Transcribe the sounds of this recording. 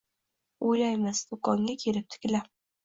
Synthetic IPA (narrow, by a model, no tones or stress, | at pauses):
ojlajmɪzd̪ʊkɒŋɡʲakʲʰe̞ɾɪp̚t̪ʰɪ̥kʲɪla